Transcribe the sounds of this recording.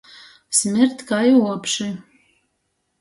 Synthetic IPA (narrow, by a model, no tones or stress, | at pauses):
smɪrt̪ʰkʰajwɔpʰʂi